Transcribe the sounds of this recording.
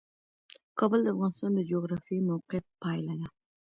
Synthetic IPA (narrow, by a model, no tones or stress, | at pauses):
kʰobulˠd̪afʁɑnɪst̪ɔnd̪ad͡ʒoɡɾafijimowqɪjat̪̚pʰɑjlad̪ɪ